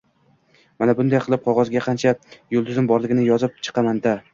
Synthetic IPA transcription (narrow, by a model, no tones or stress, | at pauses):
manabʊnd̪ajqʰɨlˠɪp̚qʰɒʁɒzɡʲaqʰɑnt͡ʃʰajolˠd̪ʊzɪmbɒɾlˠɪɡʲɪnɪjɒzɪp̚t͡ʃʰɨ̥qʰɑmand̪a